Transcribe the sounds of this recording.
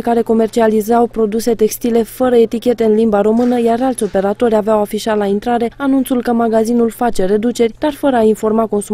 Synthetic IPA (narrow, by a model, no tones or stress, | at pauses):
kaɾe̞ko̞me̞rt͡ʃializawpɾo̞d̪use̞t̪e̞kst̪ile̞fəɾəe̞t̪ikʲe̞t̪e̞ɨnlimbaɾo̞mɨnəjaɾalt̪sʲo̞pe̞ɾat̪o̞rʲaveawafiʃat̪laint̪ɾaɾe̞anunt̪sulkəmaɡazinulfat͡ʃe̞ɾe̞d̪ut͡ʃe̞rʲd̪̥arfəɾəainfo̞rmako̞nsu